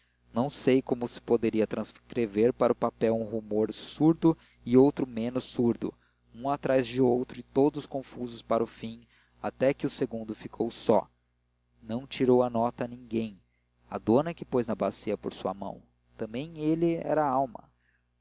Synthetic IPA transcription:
nɐ̃w̃sejkõmʊsɪ̥pod̪eɾiɐt̪ɾɐ̃skɾeveɾpaɾɐʊpapɛwũɦumoɾsuɾd̪ʊ | ɪowt̪ɾʊmẽnʊsuɾd̪ʊ̰ | ũat̪ɾazd͡ʒɪowt̪ɾʊɪt̪od̪ʊskõfuzʊspaɾʊfĩ | a̰t̪ɛkɪʊseɡũd̪ʊfikʰowsɔ̰ | nɐ̃w̃t͡ʃiɾowɐnɔt̪ɐnĩŋɡẽj̃ | ɐ̰d̪õnɐkɪpojznɐbasiɐpoɾsuɐ̰mɐ̰̃w̃ | t̪ɐ̃mbẽj̃elɪɛ̰ɾɐaawmɐ̰

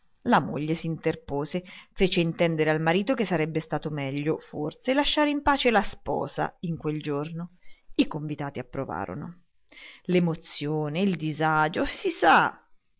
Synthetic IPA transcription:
lamo̰ʎːesiːnt̪erpoːzefeːt͡ʃeint̪ɛnd̪eɾealmaɾiːt̪ok̟esːaɾɛbːest̪aːt̪omɛʎːoforselaʃːaːɾeimpaːt͡ʃelaspɔ̰ːza̰iŋkweld͡ʒornoikoɱvit̪aːt̪iapːɾova̰ːɾo̰no̰ | lemot̪sːjoːneild̪izad͡ʒosisa

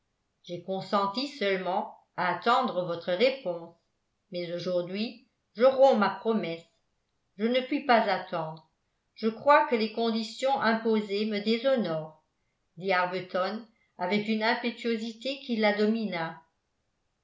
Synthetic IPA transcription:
ʒ̥ekɔ̃sɑ̃t̪isœlmɑ̃ | aːt̪ɑ̃d̪ʁəvɔt̪χəʁepɔ̃s | mɛzoʒuʁd̪ɥi | ʒəʁɔ̃mapχɔmɛs | ʒənəpɥipazat̪ɑ̃d̪ʁə | ʒəkχwakəlekɔ̃d̪isjɔ̃ʔɛ̃pozeməd̪ezɔnɔːʁ | d̪iaʁbət̪ɔn | avɛkynɛ̃pet̪ɥozit̪ekilːad̪ɔmina

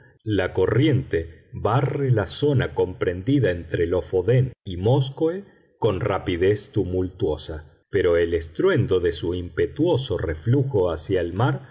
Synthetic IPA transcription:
lako̞rje̞nt̪eβarelaso̞nako̞mpɾe̞nd̪iðaent̪ɾelo̞fo̞ðenimoskoe | ko̞nrapið̞e̞st̪umult̪wo̞sa | peɾo̞elest̪ɾwe̞nd̪o̞ðe̞suimpet̪wo̞so̞refluxo̞asjaelmaɾ

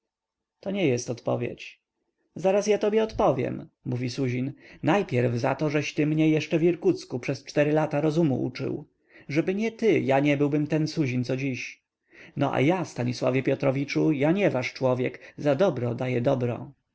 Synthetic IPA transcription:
t̪ɔɲɛjɛst̪ɔt̪pɔ̰vʲjḛt͡ɕ | zaɾasjat̪ɔbʲjɛɔt̪pɔvʲjɛ̰mmuvʲisuʑinnajpʲjɛɾvza̰t̪ɔʐɛɕt̪ɘmɲɛjɛʂt͡ʂɛvʲiɾkut̪skupʂɛst͡ʂt̪ɛɾɘlat̪aɾɔzumṵʔṵt͡ʂɘ̰w | ʐɛbɘɲɛt̪ɘjaɲɛbɘwbɘmt̪ɛnsuʑint̪sɔd͡ʑiɕ | nɔʔa̰jafst̪aɲiswa̰vʲjɛpʲjɔt̪ɾɔvʲit͡ʂujaɲɛvaʂt͡ʂwɔvʲjɛkzad̪ɔbɾɔd̪ajɛd̪ɔbɾɔ̰

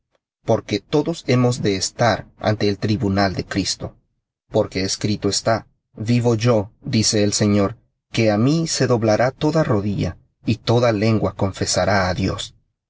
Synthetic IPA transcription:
po̞ɾke̞t̪o̞ðo̞se̞mo̞zd̪e̞ːst̪aɾʔa̰nt̪e̞ːlt̪ɾiβunald̪e̞kɾist̪o̞̰ | po̞ɾke̞ːskɾit̪o̞est̪a | βiβo̞ʝo̞d̪ise̞ːlse̞ɲoɾ | ke̞amise̞ðo̞βlaɾʔat̪o̞ðaro̞ðiʝa̰ | it̪o̞ðale̞ŋɡwako̞ɱfe̞saɾaːðjo̞̰s

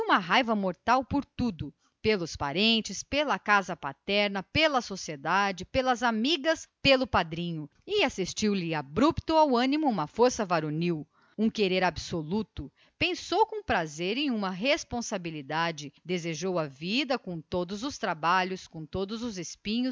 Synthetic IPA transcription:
ũmɐɦajvɐmoɾt̪awpoɾt̪ud̪ʊ | pelʊspaɾẽnt͡ʃɪspelɐkazɐpat̪ɛɾnɐpelɐsosied̪ad͡ʒɪpelɐzamiɡɐspelʊpad̪ɾĩɲʊ | ɪasist͡ʃiwlɪabɾupt̪ʊawɐ̃nimʊũmɐfoɾsɐvaɾoniw | ũkeɾeɾabsolut̪ʊ | pẽsowkõpɾazeɾẽj̃ũmɐɦespõsabilid̪ad͡ʒɪd̪ezeʒowɐvid̪ɐkõt̪od̪ʊzʊst̪ɾabaʎʊskõt̪od̪ʊzʊzespĩɲʊ

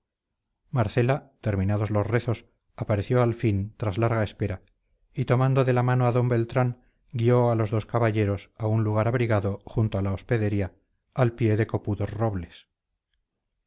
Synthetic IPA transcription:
maɾθe̞lat̪e̞ɾmĩnaðo̞zlo̞sre̞θo̞s | apaɾe̞θjo̞alfint̪ɾazlaɾɣae̞spe̞ɾa | it̪o̞mãnd̪oðe̞lamanoaðo̞mbe̞lt̪ɾaŋ | ɡio̞alo̞zðo̞skaβaʎe̞ɾo̞saunluɣ̞aɾaβɾiɣaðo̞xunt̪oalaospe̞ðe̞ɾiaː | lpje̞ðe̞ko̞puðo̞sro̞βle̞s

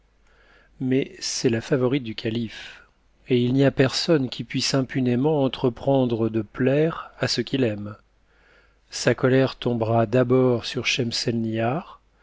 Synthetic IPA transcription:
mɛsɛlafavɔʁit̪̚d̪ykʰalif | eilniapɛʁsɔnkʲipɥisɛ̃pynemɑ̃ɑ̃t̪χəpχɑ̃d̪ʁəd̪əplɛʁasəkʲilɛm | sakɔlɛʁt̪ɔ̃bʁad̪abɔʁsyʁʃɛmsɛlniaʁ

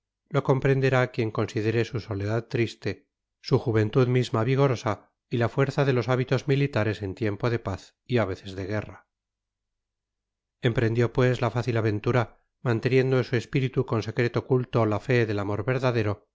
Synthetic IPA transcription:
lo̞ko̞mpɾe̞nd̪e̞ɾakje̞ŋko̞nsiðe̞ɾesuso̞leðad̪̚t̪ːɾist̪e̞ | suxuβ̞e̞nt̪uðmizmaβiɣ̞o̞ɾo̞sa | ilafweɾθaðe̞lo̞saβit̪o̞zmilit̪aɾe̞se̞nt̪je̞mpo̞ðe̞paθ | iaβe̞θe̞zðe̞ɣ̞e̞ra | e̞mpɾe̞nd̪jo̞pwe̞zlafaθilaβe̞nt̪uɾa | mant̪e̞njend̪oesue̞spiɾit̪uko̞nse̞kɾe̞t̪okult̪o̞lafe̞ðe̞lamo̞ɾβe̞ɾðaðe̞ɾo̞

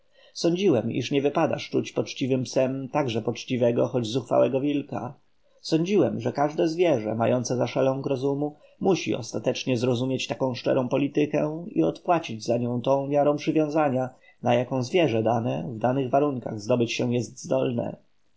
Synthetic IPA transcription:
sɔɲd͡ʑiwɛmḭʂɲɛvɘpad̪a̰ʂt͡ʂut͡ɕpɔt͡ʂt͡ɕivɘmpsɛmt̪aɡʐɛpɔt͡ʂt͡ɕivɛɡɔxɔd͡ʑzuxfa̰wɛɡɔvʲilka̰ | sɔɲd͡ʑiwɛmʐɛkaʐd̪ɛzvʲjɛʐɛ̰majɔnt̪sɛzaʂɛlɔ̃w̃ɡɾɔzumu | muɕḭɔ̰st̪at̪ɛt͡ʂɲɛzɾɔzumʲjet͡ɕt̪akɔ̃w̃ʂt͡ʂɛ̰ɾɔ̃w̃pɔlʲit̪ɘkɛ̃ḭɔt̪pwat͡ɕid͡ʑzaɲɔ̃w̃t̪ɔ̃w̃mʲjaɾɔ̃w̃pʂɘvʲjɔ̃w̃zaɲa | najakɔ̃w̃zvʲjɛʐɛd̪anɛvd̪anɘɣvaɾuŋka̰ɣzd̪ɔbɘt͡ɕɕɛ̃jɛst̪zd̪ɔlnɛ̰

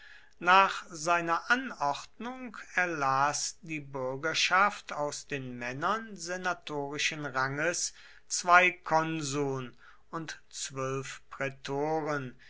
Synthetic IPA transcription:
naːχzaɪnɐʔanɔʁtnʊŋkɛɐlaːsd̥iːbʏɐɡɐʃaftʰaʊsd̥eːnmɛnɐnzenatʰoːʁɪʃənʁaŋəs | t͡sv̥aɪkʰɔnzuːn | ʊntt͡sv̥œlfpʁɛtʰoːʁən

